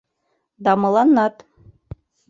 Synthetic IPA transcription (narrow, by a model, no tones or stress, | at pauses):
d̪ɑmɤ̆lˠɑnːɑt̪